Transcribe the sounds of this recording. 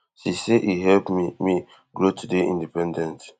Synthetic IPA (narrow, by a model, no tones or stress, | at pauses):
siseʔiɦɛlpmimi | ɡɾotʰudeḭ̃ndipɛ̃ndɛ̃nt